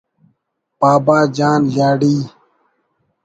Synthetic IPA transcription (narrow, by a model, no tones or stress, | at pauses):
paːbaːd͡ʒaːnjaːɖiː